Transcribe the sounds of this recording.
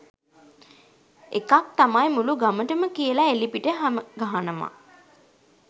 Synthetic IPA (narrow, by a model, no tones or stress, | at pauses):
ekak̚t̪amajmuluɡaməʈəməkijəlaelipiʈəɦaməɡaɦanəma̰